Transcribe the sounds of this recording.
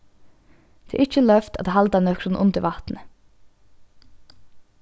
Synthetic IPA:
d̪̥ḛːʔɪc͡çəlœft̪ɑt̪ːhɑld̪ɑnœkɾʊn̩ʔʊ̰nd̪əʋɑt̪n̩ə

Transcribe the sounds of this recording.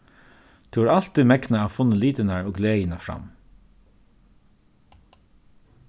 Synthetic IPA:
t̪ʰʉʋːɹal̥t̪imɛknaːʋfʊnːəliːt̪ənaɹoːɡleːjənafɹa̰m

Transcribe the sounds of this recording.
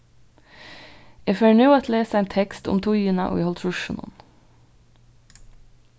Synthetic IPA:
eføːɳuːɑt̪ʰleːsəæɪnt̪ʰɛkst̪ʊ̰mt̪ʰuːjyːnɑ̰ʔo̰ːhɔlt̪ʰɹʊʃənʊ̰n

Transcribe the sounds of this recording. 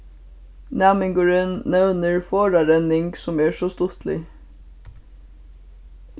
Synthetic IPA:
næːmɪŋɡəɹənːɛwnəɹfoːɹɑɾɛnːɪŋksʊmɛːsɔst̪ʊt̪lɪ̰

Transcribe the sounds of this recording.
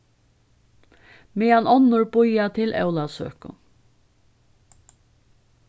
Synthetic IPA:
meːanʔɔnːʊɹbʊjat̪ʰɪlʔɛ̰wlasø̰ːkʊ̰

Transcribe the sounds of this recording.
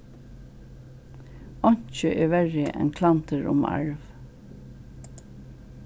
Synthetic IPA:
ɔɲ̥t͡ʃəʔɛːɹʋɛɹɪʔɛ̰nkʰlant̪əɹʊ̰ma̰ɹv

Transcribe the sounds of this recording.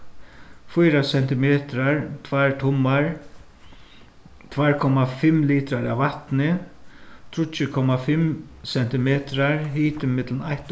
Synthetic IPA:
fʊjɾasɛn̥t̪ɪmɛːt̪ɾaɹt̪ʰvaɹt̪ʰʊmːaɹ | t̪ʰvaɹkʰɔmafɪmliːt̪ɾaɾaʋvaht̪nɪ | t̪ʰɾʊt͡ʃːɪkʰɔmːafɪm | sɛn̥t̪ɪmɛːt̪ɾaɹɦiːt̪ɪmɪt̪lənajht̪

